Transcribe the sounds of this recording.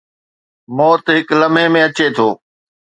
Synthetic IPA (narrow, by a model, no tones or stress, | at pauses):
mɔːt̪ɦɪkləmẽmẽɐt͡ɕet̪ʰoː